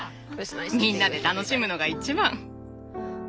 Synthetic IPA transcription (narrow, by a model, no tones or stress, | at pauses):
mʲĩnːad̪e̞t̪ano̞ɕimɯ̟no̞ɡait͡ɕibãŋ